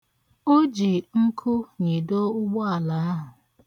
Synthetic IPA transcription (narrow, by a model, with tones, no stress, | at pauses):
o˦d͡ʒi˨ŋ̩˦kʰʊ˦ɲi˨do˦ʊ˦ɡ͡bɔ˦a˨la˨˦a˦ɦʊ˨